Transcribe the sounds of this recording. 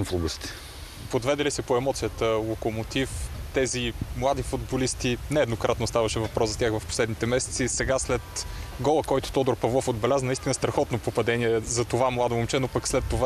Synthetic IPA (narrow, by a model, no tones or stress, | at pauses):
mflˠobʊst̪ɛ̥ | pod̪vɛd̪ɛlisɛpoɛmɔt̪sijət̪əlˠokomot̪ift̪ɛzimlˠad̪ifud̪bolist̪inɛːd̪nokɾat̪nost̪avɐʃɛvɐpɾɔszzɐt̪ʲjaxvɐfpo̥slɛd̪nit̪ɛmɛsɛ̥t̪sisɛɡaslɛt̪ɡɔlˠəkɔjt̪ʊ̥t̪ɔd̪oɾpɐvlˠɔfod̪bɛlʲazənəist̪inəst̪ɾɐxɔt̪nopopɐd̪ɛniɛzɐt̪ovamlˠad̪oomt͡ʃɛnopəkslɛt̪ːova